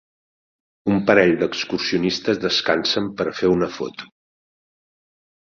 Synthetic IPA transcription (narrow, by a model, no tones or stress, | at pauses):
umpəɾɛʎd̪əkskursiunist̪əzðəskansəmpəɾfeunəfɔ̰t̪u̥